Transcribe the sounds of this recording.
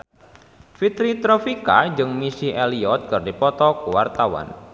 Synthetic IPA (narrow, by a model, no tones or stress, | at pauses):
fit̪ɾit̪ɾɔfikad͡ʒɨŋmisiʔɛliɔt̪̚kɨrdipɔt̪ɔkuwart̪awa̰n